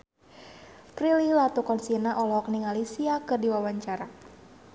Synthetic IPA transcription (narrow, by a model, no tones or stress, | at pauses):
pɾilihlat̪ukɔnsinaʔɔlɔɔk̚niŋalisiakɨrdiwawaɲt͡ʃaɾa